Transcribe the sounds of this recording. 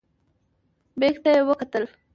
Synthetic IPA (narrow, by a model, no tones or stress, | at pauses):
bekt̪ajewəkat̪əl